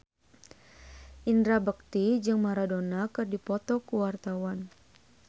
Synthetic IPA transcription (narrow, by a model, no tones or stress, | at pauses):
ʔindɾabək̚t̪id͡ʒɨŋmaɾadonakɨrdipɔt̪ɔkuwart̪awan